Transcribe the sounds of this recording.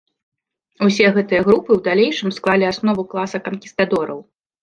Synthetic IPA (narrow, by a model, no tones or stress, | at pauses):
usʲɛɣɛt̪ɨjɐɣɾupɨwd̪alʲejʂɨmsklˠalʲiasnɔvuklˠasɐkɐnkʲi̥st̪ad̪ɔɾɐ̰w